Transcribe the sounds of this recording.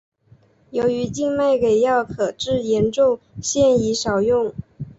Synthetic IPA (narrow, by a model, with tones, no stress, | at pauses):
jo˧˥ʊy˧˥t͡ɕi˥˧ŋma˥˩ɪke˨˩ɪjɑ˥˩ʊkʰɤ˨˩ʈ͡ʂɻ̩˥˩jɛ˧˥nʈ͡ʂʊ˥˧ŋ | ɕjɛ˥˩ni˧˥ʂɑ˨˩ʊjʊ˥˩ŋ